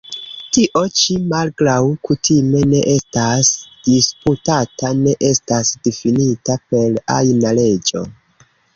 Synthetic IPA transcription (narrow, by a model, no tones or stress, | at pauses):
tiʔo̞t͡ʃimalɡɾawkutʰime̞ne̞ʔe̞stasd̥isputatane̞ʔe̞stasdefinitape̞la̰jnale̞d͡ʒo̞̰